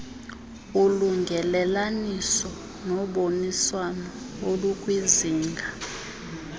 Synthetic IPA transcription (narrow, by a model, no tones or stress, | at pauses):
uluŋɡʱɛlɛlanisɔ | nɔɓoniswanɔ | olukʼwiziːŋɡʱa